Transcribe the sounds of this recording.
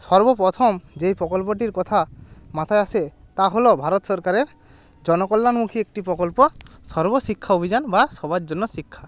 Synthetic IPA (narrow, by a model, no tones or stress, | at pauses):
sɔɾbɔpɾɔt̪ʰɔmd͡ʒejpɾɔkɔlp̬ɔʈ̬iɾkɔt̪ʰamat̪ʰajase | t̪aɦɔlɔbʱaɾɔt̪sɔɾkaɾeɾ | d͡ʒɔnɔkɔlːanmukʰiek̚ʈipɾɔkɔlpɔsɔɾbɔsikʰːaobʱid͡ʒanbasɔbad͡ʒd͡ʒɔnːɔsikʰːa